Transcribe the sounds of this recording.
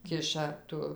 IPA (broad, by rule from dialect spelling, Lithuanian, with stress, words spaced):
ˈkʲɪʃɐ ˈtʊ